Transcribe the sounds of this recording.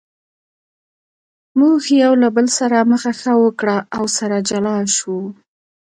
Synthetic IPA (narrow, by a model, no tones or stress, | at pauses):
muxjawlabəlsaɾaməxaxəwəkɽaʔːwsaɾad͡ʒalɑʃu